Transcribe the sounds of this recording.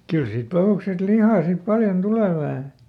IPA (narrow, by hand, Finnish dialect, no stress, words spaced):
kyl siːt pɑhuˑksest lihɑˑ sip pɑljon tuleˑ ʋæhæ